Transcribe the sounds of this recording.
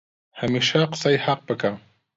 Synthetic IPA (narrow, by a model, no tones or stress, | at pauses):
hamɪʃɑqsajhɑq̚pakaŋ